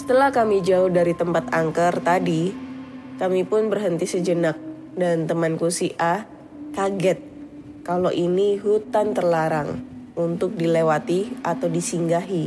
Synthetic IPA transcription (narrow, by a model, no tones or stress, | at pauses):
sə̥t̪əlahkamid͡ʒaʊhdaɾit̪əmpat̪aŋkərt̪adi | kamipʊnbərɦənt̪isəd͡ʒənak̚ | dant̪əmankusiʔa | t̪aɡɛt̪̚ | kaloʔiniɦut̪ant̪ərlaɾa̰ŋunt̪ʊk̚dilewat̪iat̪awdisiŋɡaɦi